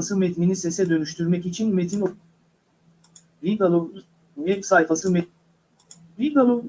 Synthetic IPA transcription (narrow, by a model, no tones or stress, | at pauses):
sɯmɛt̪minisɛsɛd̪ø̞nyʃt̪ʰyɾmɛcit͡ʃʰinmet̪ʰin | viɡalˠo | mɛtsajfasɯmɛ | viɡalˠo